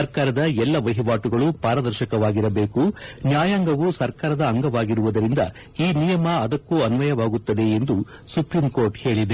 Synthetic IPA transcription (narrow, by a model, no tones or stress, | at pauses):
ɐɾkaːɾɐd̪ɐɛlːɐʋɐɦiʋaːʈuɡɐɭupaːɾɐd̪ɐɾʃɐkɐʋaːɡiɾɐbeːkunjaːjaŋɡɐʋusɐɾkaːɾɐd̪ɐːŋɡɐʋaːɡiɾuʋud̪ɐɾind̪ɐ̰ | iːnijɐmɐɐd̪ɐkːuɐnʋɐjɐʋaːɡut̪ːɐd̪e̞ːnd̪u | supɾimkoːɾʈhe̞ːɭid̪e